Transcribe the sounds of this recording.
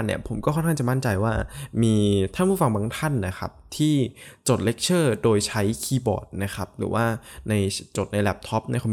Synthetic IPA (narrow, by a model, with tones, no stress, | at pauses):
ni˥˩ɐpʰo˩˦mkɔː˥˩kʰɔ˥˩nkʰa˥ŋt͡ɕa˨˩ma˥˩nt͡ɕa˧jwaː˥˩miː˧t̪ʰa˥˩npʰuː˥˩fa˧ŋba˧ŋt̪ʰa˥˩nːa˦˥kʰa˦˥p̚t̪ʰiː˥˩t͡ɕo˨˩t̪̚le˦˥k̚t͡ɕʰɤː˥˩doː˧jt͡ɕʰa˦˥jkʰiː˧bɔ̰ː˨˩t̪̚na˦˥kʰa˦˥p̚ɾɯ̰ː˩˦waː˥˩na˧jt͡ɕo˨˩t̪̚na˧jlɛː˦˥˩p̚t̪ʰɔ˦˥p̚ni˥˩kʰː